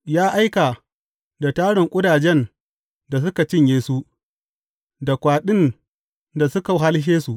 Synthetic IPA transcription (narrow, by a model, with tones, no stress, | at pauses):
jaː˦ʔa˦jka˨ | da˨taː˦ɽɪ˨ŋkʷʼʊ˦daː˨d͡ʒɛ˦n | da˨s̬ʊ˦ka˨t͡ʃɪ˦ɲjeː˦su˦ | da˨kʷaː˨ɗɪ˦n | da˨sʊ˦ka˨ɦa˦lʃeː˦su˦˨ʔ